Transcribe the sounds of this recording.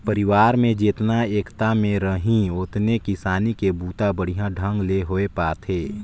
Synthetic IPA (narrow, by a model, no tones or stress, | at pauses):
pəɾɪʋaːɾmẽd͡ʒeːt̪naeːkt̪amẽɾəɦĩʊt̪nekɪsaːnikebuːt̪abəɽ̤ijãɖʱə̃ŋɡleɦoepaːt̪ʰeː